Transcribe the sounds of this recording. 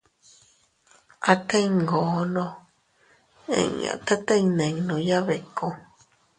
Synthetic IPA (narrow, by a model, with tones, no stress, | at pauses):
a˧t̪e˦iŋɡo˨nõ˧ | ḛ̃˨ɲã̰˨t̪a˦t̪ə̃˦ĩnẽ˨ŋnõ˨ja˦βe˨ko˧